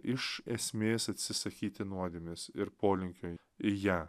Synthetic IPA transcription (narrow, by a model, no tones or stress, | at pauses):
ɪʃɛsʲmʲeːsɐt̪ʲsʲɪsɐkʲiːt̪ʲɪnuɔd̪ʲeːmʲɪsɪɾpoːlʲɪŋʲkʲoː | ɪjæː